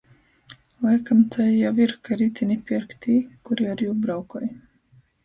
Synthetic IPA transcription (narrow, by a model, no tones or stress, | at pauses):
lˠajkamt̪ʰajjawiɾkaɾit̪ʲinʲipʲiɾkt̪ʰiːkuɾiaɾjuːbɾawkɔj